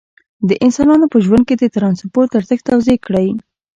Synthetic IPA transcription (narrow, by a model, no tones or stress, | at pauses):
d̪əʔɪnsɑnɑnopəʒwand̪̚ked̪ət̪ɾɑnspoɾt̪əɾt̪əxt̪awzekɽəj